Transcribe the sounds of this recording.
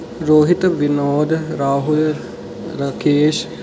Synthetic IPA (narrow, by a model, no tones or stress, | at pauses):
ɾoːɦit̪əʋinoːd̪ɾaːɦul | ɾɐkeːʃ